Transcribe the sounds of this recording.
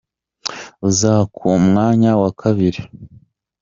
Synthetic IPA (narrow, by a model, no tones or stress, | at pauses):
uzaːkʰumŋaːɲawakʰaβiɾi